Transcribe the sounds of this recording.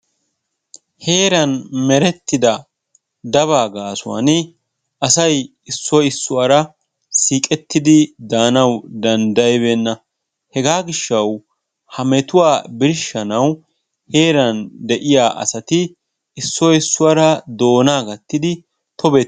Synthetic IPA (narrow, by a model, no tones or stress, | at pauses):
he̞ːɾɐnmɛɾɛt̪ːɪd̪ɐ | d̪ɐβaːɡaːsʊwɐ̰n | ɐsɐj | ɪsːɔɪsːʊwɐɾɐ | siːkʼɛt̪ːɪd̪ɪd̪aːnɐwd̪ɐnd̪ɐjɪbe̞ːnːɐ | hɛɡaːɡɪʃːɐw | hɐmɛt̪ʊwaːbɪɾʃːɐnɐw | he̞ːɾɐnd̪ɛʔɪjaːʔɐ̰sɐt̪ɪː | sːɔɪsːʊwɐɾɐd̪o̞ːnaːɡɐt̪ːɪd̪ɪ | t̪ɔbe